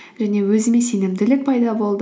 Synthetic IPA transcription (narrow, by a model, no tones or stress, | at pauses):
ʒ̥æne̞wɵzɪme̞se̞nɪmd̪ɪlɪk̚pʰɑjd̪ɑbo̞lˠd̪